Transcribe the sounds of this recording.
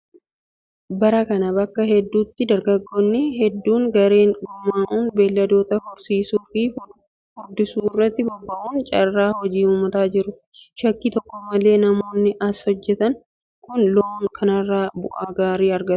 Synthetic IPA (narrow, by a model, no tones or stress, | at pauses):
bɐɾɐkɐnɐbɐkːɐɦɛd̪ːuːt̪ːɪd̪ɐɾɡɐɡːonːɪhɛd̪ːuːŋɡɐɾe̞ːŋɡʊmːaːʔuːnbe̞ːlːɐd̪o̞ːt̪ɐhɔɾsiːsuːfɪ | fʊɾd̪ɪsuːɪrːɐt̪ːɪbɔbːɐʔuːnt͡ʃʼɐrːaːhɔd͡ʒiːuːmɐt̪aːd͡ʒɪɾʊ | ʃɐkːiːt̪ɔkːɔmɐle̞ːnɐmo̞ːnːɪʔɐshɔd͡ʒːɛt̪ɐŋ | kʊnloːŋkʰɐnɐrːaːbʊ̰ʔaːɡaːɾiːɐɾɡɐt̪ʊ̥